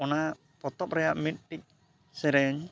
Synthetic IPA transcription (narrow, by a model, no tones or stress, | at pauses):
ɔna | pɔt̪ɔp̚ɾɛjaʔmit̪̚ʈic̚ | sɛɾɛɲ